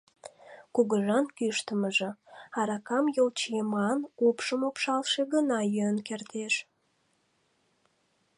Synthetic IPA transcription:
kuɣəʒɑnkyʃt̪əməʒĕɑɾɑkɑmjolt͡ɕjemɑnupʃəmopʃɑlˠʃeɣənɑjøənkert̪eʃ

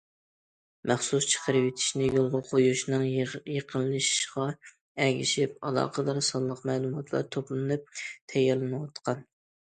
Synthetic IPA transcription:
mæχsust͡ʃʰə̥qʰəɾɨwet̪ʰi̥ʃnɪjolˠʁɑqʰojuʃnɨŋjeqʰəlˠːɨʃʃʁɑ | ɛɡʲiʃipɑlˠɑ̰ːqʰəd̪ɑɾsɑlˠːəqmɛlˠumɑt̪ʰlˠɑ̰ɾt̪ʰoplˠɨnɨp̚t̪ʰɛjːɛɾlˠɨnɨwɑt̪qʰɑn

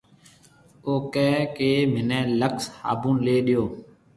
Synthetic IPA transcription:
oːkɛːkeːmɪnɛ̃ːləksha̰ːbũːleːɗɪjoː

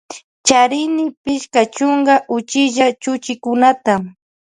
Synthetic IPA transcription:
t͡ʃaɾɪnɪpɪʃkat͡ʃʊŋɡaʔʊt͡ʃɪʒat͡ʃʊt͡ʃɪkʊnat̪a

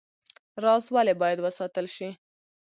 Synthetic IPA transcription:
ɾɑzwalebɑjad̪wəsɑt̪əlʃi

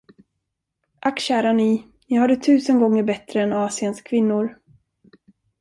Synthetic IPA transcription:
ʔakɕæːɾani | jɑːhad̪ət̪ʰʉ̟ːsənɡɔŋːəɾbɛt̪ɾəɛnɑːsɪənskʰvɪnːʊɾ

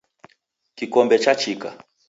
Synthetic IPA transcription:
kikɔmbɛt͡ʃat͡ʃika̰

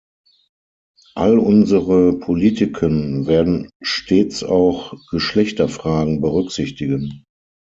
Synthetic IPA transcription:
ʔalʊnzəʁəpʰoliːtɪkʰənveːɐdn̩ʃtʰeːt͡sa̰ʊxɡ̥əʃlɛçtɐfʁ̥aːɡŋ̩bəʁʏkz̥ɪçtɪɡən

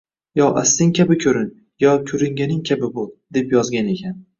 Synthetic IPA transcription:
jɒʔast̪ɪŋkʲʰabɪkʲʰɵɾɪn | jɒkʲʰɵɾɪŋʲanɪŋkʲʰabɪbolˠd̪̥e̞pjɒzɡʲane̞kʲʰan

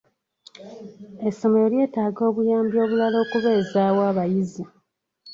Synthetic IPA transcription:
eso̞mojolje̞ːtaːɡo̞ːβujaːmbjo̞ːβulalo̞ːkuβe̞ːzaːwaːβajizi

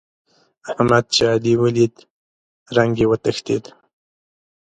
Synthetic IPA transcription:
ahmad̪̚t͡ʃaad̪iwəlid̪ | ɾaŋɡewət̪əxt̪ḛd̪

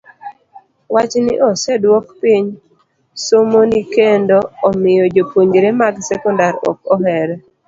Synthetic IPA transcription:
wat͡ʃnɪ̰ʔɔsɛdwɔkpiɲ | somonikendoːmɪjɔd͡ʒopoɲd͡ʒɾemaɡsɛkɔndaɾɔ̰k̚ɔɦɛɾɛ

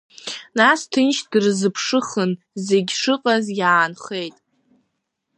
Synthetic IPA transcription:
nastʰɨnʃʰʼdrzɨpʰʂɨχən | ze̞ɡʲʂɨqʼazjaːnχejtʼ

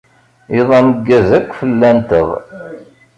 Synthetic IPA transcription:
iðˤɑməɡːæzækʷːfəlːænt̪əʁ

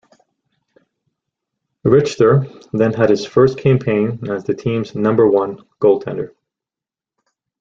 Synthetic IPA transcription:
ɹɪt͡ʃtə˞ðɨ̃nɨɾ̚ɨz̥fɜ˞stkʰæ̃mpʰẽɪ̃nɨzðɨtʰĩmznʌ̃mbə˞wʌ̃n | ɡ̥oʊlˠtʰɛ̰̃ndə˞

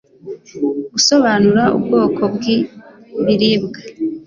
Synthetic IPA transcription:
ɡuso̞βanuɾaʔṵbɡo̞ːkʰo̞bɡi | βiɾibɡa

